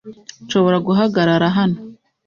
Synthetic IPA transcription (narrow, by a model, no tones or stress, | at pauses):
nʃo̞βo̞ɾaɡuɦaɡaɾaɾaɦano